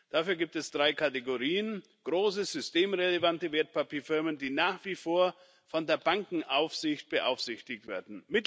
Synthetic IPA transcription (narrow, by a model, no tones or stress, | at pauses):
d̥aːfyːɐɡiːp̚tɛsd̥ʁaɪkʰateɡoʁiːən | ɡ̥ʁoːsəzʏstʰeːmʁelevantəveːɐt̚pʰapʰiːɐfɪɐməndiːnaːχv̥iːfoːɐ | fɔndeːɐbaŋkŋ̩ʔaʊfz̥ɪçt̚b̥əʔa̰ʊfz̥ɪçtɪçtv̥ḛːɐdn̩mɪt